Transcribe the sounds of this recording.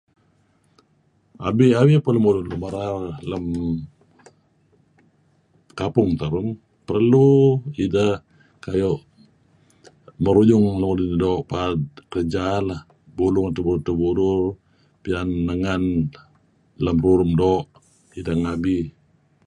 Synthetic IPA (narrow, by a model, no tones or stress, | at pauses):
a̰biawipələmulʊnləmaɾarləm | kapʊŋt̪əɾʊm | pərluidəh | kajɔʔ | məɾuɲʊŋləmudindoːʔpad̚kəəd͡ʒalah | bulʊŋat̪əbuɾʊrt̪əbuɾʊr | pianːəŋan | ləmruɾʊmdɔːʔ | idaŋabi